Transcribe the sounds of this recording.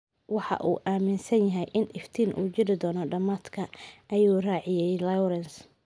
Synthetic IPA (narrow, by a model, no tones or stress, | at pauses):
wɑħɑ̰ʔṵːʔaːmɪnsɐnjɐɦɛjʔɪnɪft̪ʰiːnʔṵːt͡ʃɪɾɪd̪ɔːnɔɖɐmaːd̪kʰɐʔɐjuːraːʕɪjɛjlɐwɾɛns